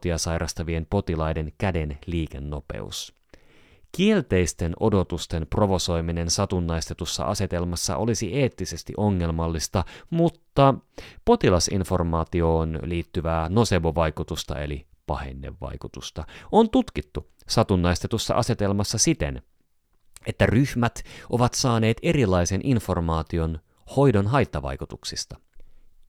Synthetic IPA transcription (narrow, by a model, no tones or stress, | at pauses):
t̪iɑsɑjɾʔɑst̪ɑʋie̞npo̞t̪ilɑjde̞nkæde̞nliːk̟e̞nːo̞pe̞̰ṵs | kie̞lt̪e̞jst̪e̞no̞̰do̞t̪ust̪e̞npro̞ʋo̞so̞jmine̞nsɑt̪unːɑjst̪e̞t̪usːɑ̰ʔɑ̰se̞t̪e̞lmɑsːɑ̰ʔo̞lisiʔe̞ːt̪ːise̞st̪ḭʔo̞ŋːe̞lmɑlːist̪ɑmut̪ːɑpo̞t̪ilɑsḭnfo̞rmɑːt̪io̞ːnliːt̪ːyʋæːno̞se̞ʋoʋɑjkut̪ust̪ɑ̰e̞̰li | pɑ̰hḛnːḛʋːɑ̰jkut̪ust̪ɑo̞nt̪ut̪kit̪ːu | sɑt̪unːɑjst̪et̪usːɑ̰ʔɑse̞t̪e̞lmɑsːɑsit̪e̞̰n | e̞t̪ːæryhmæt̪ʔo̞ʋɑt̪sɑːne̞ːt̪e̞ɾilɑjse̞nʔinfo̞rmɑːt̪io̞n | ho̞jdonɦɑjt̪ːɑʋɑ̰jkut̪uksist̪ɑ